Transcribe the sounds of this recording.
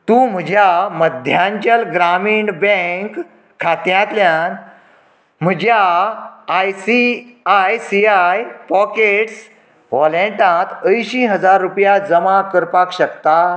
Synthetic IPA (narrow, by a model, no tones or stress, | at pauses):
t̪ũːm̤əd͡ʑʱjaməd̪ʱjaɲt͡ɕəlɡɾamiɳɖbɛ̃ŋkʰː | at̪jãt̪ljan | m̤əd͡ʑʱjaː | jsiajsiajpɔkeʈs | ʋɔlẽʈãt̪əjɕiɦəd͡zaɾːupjad͡zəmakəɾpakɕəkt̪a